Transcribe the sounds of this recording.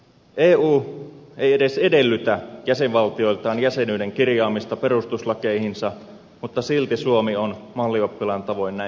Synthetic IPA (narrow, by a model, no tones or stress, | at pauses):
ʔeːuːejeɾe̞se̞de̞lːyt̪æjæse̞ʋʋɑlt̪io̞ilt̪ɑːnjæsenyjde̞ŋkirjɑːmist̪ɑpe̞ɾust̪uslɑkeihinsɑ | mut̪ːɑsilt̪isuomionmɑlːiopːilɑnt̪ɑʋo̞jnːæ